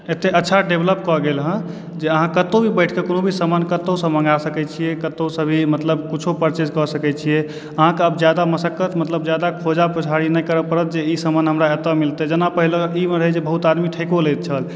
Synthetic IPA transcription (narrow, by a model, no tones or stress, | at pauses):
et̪eʔətːʃʰaɖebʱləp̚kɔɡelɦə̃ | d͡ʒeəɦãkət̪obʱibəɪʈʰkekonobʱisəmənkət̪osə̃mə̃ŋɡasəkɛt͡ʃʰijekət̪osə̃bʱimət̪ləbkit͡ʃʰopəɾt͡ʃed͡ʒkɔsəkɛt͡ʃʰije | əɦãkeəbd͡ʒjad̪aməsəkːət̪mət̪ləb̚d͡ʒjad̪akʰod͡ʒaput͡ʃʰaɽinəjkəɾəpəɾət̪̚d͡ʒeisəmənɦəmɾaet̪əmilt̪ed͡ʒənapəɦileimeɾəɦɛd͡ʒebəɦut̪ad̪miʈʰəkolet̪̚t͡ʃʰəl